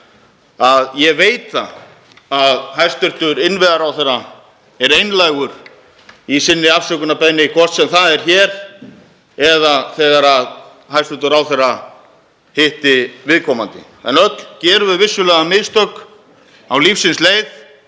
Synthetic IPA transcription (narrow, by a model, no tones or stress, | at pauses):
aðjɛveːjt̪ːa̰ | aðhajrst̪ʏht̪ʏɾɪnvɛðaɾawθejrːa | ɛɾejnlajɣʏɾ | isɪnːɪafsœkʏnapɛnːɪkʰvɔr̥t̪sɛmθaðɛɾ̥çɛːɾ̥ | ɛðaθɛːɣaɾað | hajrst̪ʏɾt̪ʏɾawθejra | hɪht̪ɪvɪðkʰɔmant̪ɪ̰ | ɛ̰nœt̪l̥cɛːɾʏvɪðvɪsːʏlɛːɣamɪðst̪œk | awlifsɪnsleːjθ